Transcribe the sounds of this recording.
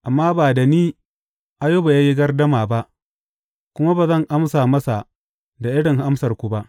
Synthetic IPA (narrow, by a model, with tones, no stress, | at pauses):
ʔa˨mːaː˦baː˨da˨niː˦ | ʔa˦joː˦ba˨ja˦ji˦ɡɐ˦rdɐ˦maː˨ba˦ʔ | kʷʊ˦ma˦ba˨zɐ˦˨ŋʔa˦msaː˨mɐ˦sa˨ | da˨ʔɪ˦ɽɪ˨ŋha˦msɐ˨rkʷu˨ba˦ʔ